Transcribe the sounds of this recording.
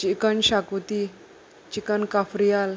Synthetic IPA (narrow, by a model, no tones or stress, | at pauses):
t͡ʃikənɕakut̪i | t͡ɕikənkafɾijal